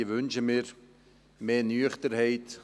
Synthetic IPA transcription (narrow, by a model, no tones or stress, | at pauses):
ʋʏnʃəmiːɾ | meːnyːəχtəɾhɛɪt